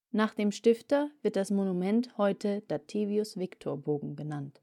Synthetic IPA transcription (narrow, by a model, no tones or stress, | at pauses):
naːχd̥eːmʃtɪftɐvɪɐt̚d̥asmonumɛnthɔʏtʰəd̥atʰiːviʊsv̥ɪktʰoːɐboːɡŋ̩bənant